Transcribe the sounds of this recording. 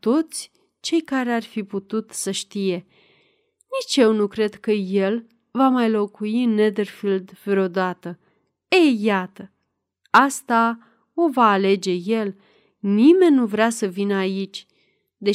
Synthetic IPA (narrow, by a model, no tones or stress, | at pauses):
t̪o̞t̪sʲ | t͡ʃe̞jkaɾe̞arfiput̪ut̪səʃt̪ije̞ | nit͡ʃje̞wnukɾe̞d̪kəje̞l | vamajlo̞kujined̪erfild̪feɾo̞d̪at̪ə | ejat̪ə | ast̪a | o̞vaːle̞d͡ʒe̞je̞l | nime̞nʲːuvɾeasəvinəait͡ʃʲ | d̪e̞